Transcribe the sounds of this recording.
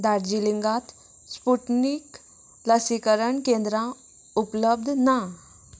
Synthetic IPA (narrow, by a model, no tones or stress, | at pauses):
d̪aɾd͡ʑiliŋɡat̪ | spuʈnik | ləsikəɾəɳkẽnd̪ɾã | upləb̚d̪ʱna